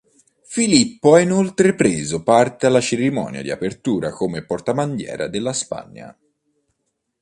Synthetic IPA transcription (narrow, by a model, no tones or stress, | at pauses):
filipːoɛinolt̪ɾepɾeːzopart̪ealːat͡ʃeɾimɔ̰ːnja̰d̪ia̰pert̪uːɾakomepɔrt̪aband̪jɛ̰ːɾa̰d̪elːaspa̰ɲːa̰